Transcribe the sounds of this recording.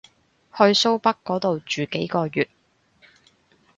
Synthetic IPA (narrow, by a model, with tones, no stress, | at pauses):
hɵ˧ɥso˥wpɐ˥kːɔː˨˥t̪o˨wt͡ʃyː˨ke˨˥jkɔː˧jyː˨t̚